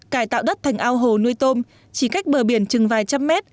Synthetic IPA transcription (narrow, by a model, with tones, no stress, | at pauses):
kaː˧˩jt̪a̰ː˧˨wɗə˦˥t̚t̪ʰa˨˩jŋ̟ʔaː˧wɦo˨˩nu˧əjt̪o˧m | t͡ɕi˧˩ka˦˥jk̟̚ɓəː˨˩ɓi˧˩ənt͡ɕɨ˨˩ŋvaː˨˩jt͡ɕa˧mːɛ˦˥t̚